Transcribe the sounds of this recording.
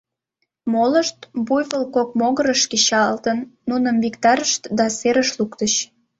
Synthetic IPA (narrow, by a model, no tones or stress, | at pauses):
moləʃt̪bujβəlkok̚moɣəɾəʃket͡ɕɑlt̪ənːunəmvikt̪ɑɾəʃt̪d̪ɑseɾəʃlukt̪ət͡ɕ